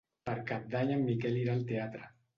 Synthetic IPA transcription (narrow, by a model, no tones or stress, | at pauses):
paɾkap̚d̪aɲamːikɛliɾalt̪eat̪ɾa